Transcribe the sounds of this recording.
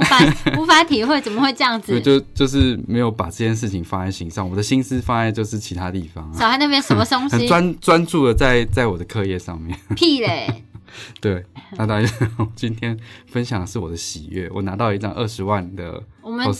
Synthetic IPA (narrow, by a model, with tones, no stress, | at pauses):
u˥˩fa˥t̪ʰi˨˥xwe˥˩t͡sə˨˩mə˨˦xwe˥˧ɪʈ͡ʂɤ˥˧jɑ˥˩ŋd͡z̩˨˥˧t͡ɕjo˥˧ʊt͡ɕjo˥˧ʊʂɻ̩˥˩me˧˥ɪjo˧˩ʊpa˨˩ʈ͡ʂɤ˥˧t͡ɕjɛ˥˧nʂ̬ɻ̩˥˩t͡ɕʰi˨ŋfa˦a˧˩ɪɕi˧˥ŋʂɑ˥˩ŋwɔ˨˩d̪ə˦ɕi˥ns̩˥fa˥a˧˥t͡ɕjo˥˧ʊʂɻ̩˥˩t͡ɕʰi˧˥t̪ʰa˥t̪i˥˨˩fɑ˩ŋa˨˦xa˥˧na˥˩pʰjɛ˥nʂə˧˥˦mə˧t̪o˥ŋɕxə˨i˧˥wa˦nt͡swa˦nt͡su˥˩d̪ə˩t͡sa˥˧ɪt͡sa˥˩ɪwɔ˨˩d̪ə˦kʰɤ˥˧jɛ˥˧ʂɑ˥˧ŋmjɛ˥˨˩npʰi˥˧le˥˨˩t̪we˥˩ɪa˥˧˩t̪a˥˧˥t͡ɕi˥˦nt̪ʰjɛ˥nfə˦nɕjɑ˨˩ŋʂɻ̩˥˩wɔ˨˩d̪ə˦ɕi˨˩ɥɛ̰˥˩wɔ̰˨˩na˧˥t̪ɑ˥˧ʊi˧˥ʈ͡ʂʰɑ̰˨˩ŋʔə˥˩ʂɻ̩˧˦wa˥˩nd̪ə̰˩ | wɔ˨˩mə˧